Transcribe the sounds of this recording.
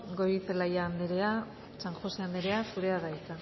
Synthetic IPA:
ɡoɾit͡selajaːnd̪eɾea | saŋxo̞seand̪eɾe̞asuɾe̞aðajk̪a

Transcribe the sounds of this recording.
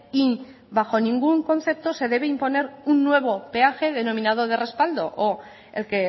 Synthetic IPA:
i | baxo̞nĩŋɡuŋkõ̞nθe̞p̚t̪o̞se̞ð̞e̞βeimpo̞ne̞ɾunːwe̞β̞ope̞axe̞ðe̞no̞mĩnað̞o̞ð̞e̞re̞spald̪o̞̰ʔo | elke

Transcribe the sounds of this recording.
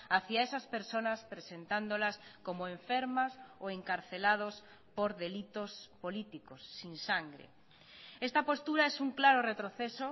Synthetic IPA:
aθiaesaspeɾsonaspɾesent̪and̪olaskomoẽɱfeɾmasoeŋkaɾθelað̞os | poɾðelit̪ospolit̪ikosːinsaŋɡɾḛ | est̪ɐpost̪uɾaesuŋklaɾoret̪ɾoθeso

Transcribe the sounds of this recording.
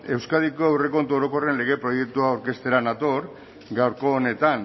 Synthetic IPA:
e̞wskað̞iko̞ewre̞ko̞nt̪uoɾo̞ko̞re̞nle̞ɣ̞e̞pɾo̞je̞k̚t̪uaːwɾke̞st̪e̞ɾanat̪o̞ɾ | ɡawɾko̞ːne̞t̪an

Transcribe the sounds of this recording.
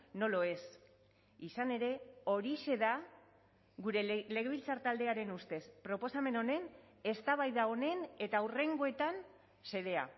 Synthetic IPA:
no̞loe̞s | isane̞ɾe̞o̞ɾise̞ða | ɡuɾe̞le̞ɣeβilt͡sart̪ald̪e̞aɾe̞nust̪e̞spɾo̞po̞same̞no̞ne̞n | e̞st̪aβajðao̞ne̞ne̞t̪aure̞ŋɡo̞e̞t̪an | se̞ðe̞a̰

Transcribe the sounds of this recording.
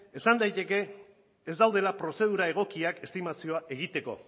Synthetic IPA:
e̞sand̪ajt̪e̞ke̞ː | zd̪awð̞e̞lapɾo̞se̞ð̞uɾae̞ɣ̞o̞kiake̞st̪imasio̞aʔe̞ɣ̞it̪e̞ko̞̰

